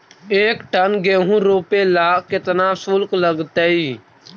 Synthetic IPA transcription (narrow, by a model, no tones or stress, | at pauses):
eːkʈənɡẽːɦũːɾoːpeːlaːkɪt̪naːsʊlkləɡt̪eːiː